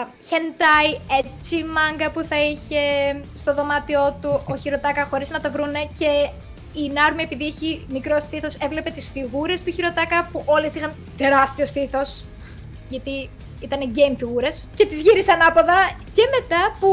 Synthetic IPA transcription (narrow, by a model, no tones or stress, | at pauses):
çent̪ɐje̞t͡simɐŋɡɐpuθɐiçe̞st̪oðo̞mɐt̪io̞t̪uʔoçiɾo̞t̪ɐkɐxo̞ɾiznɐt̪ɐvɾune̞ce̞ | inɐɾmie̞piðieçimikɾo̞st̪iθo̞se̞vle̞pe̞t̪isfiɣuɾe̞st̪uçiɾo̞t̪ɐkɐpuʔo̞le̞sixɐn | t̪e̞ɾɐst̪io̞st̪iθo̞s | ʝɐt̪i | it̪ɐneɟe̞jmfiɣuɾe̞sce̞t̪izʝiɾisɐnɐpoðɐce̞me̞t̪ɐpu